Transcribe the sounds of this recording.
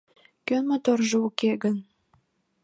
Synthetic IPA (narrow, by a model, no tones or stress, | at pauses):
kømot̪orʒɤukeɡən